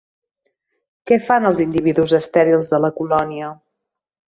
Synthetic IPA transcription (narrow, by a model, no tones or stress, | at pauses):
kɛfanəlˠzind̪iβiðuzəst̪ɛɾilˠzðələkulɔniə